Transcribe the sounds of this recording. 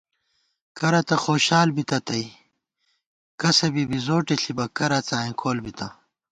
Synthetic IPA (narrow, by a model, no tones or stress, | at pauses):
kɐɾɐt̪ɐxoːɕaːlbit̪ɐt̪ɐi | kɐsɐbibizoːʈeɬibɐkɐɾɐt͡saːĩkʰoːlbit̪ɐ